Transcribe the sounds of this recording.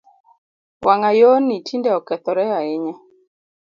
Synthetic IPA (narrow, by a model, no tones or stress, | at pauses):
waŋajonitʰindɛɔkɛt̪ɔɾɛaɪɲa